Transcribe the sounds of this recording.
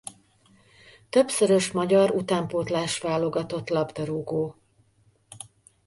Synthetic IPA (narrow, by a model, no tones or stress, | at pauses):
t̪ø̞bsøɾø̞ʃmɒɟɒɾut̪aːmpoːt̪laːʃʋaːlo̞ɡɒt̪o̞t̪lɒbd̪ɒɾuɡoː